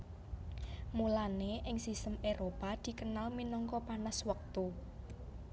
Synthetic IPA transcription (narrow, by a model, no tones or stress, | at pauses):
mulaneʔɪŋsist̪əmʔeɾopad̪̥i̤kənalminɔŋkɔpanəswək̚t̪u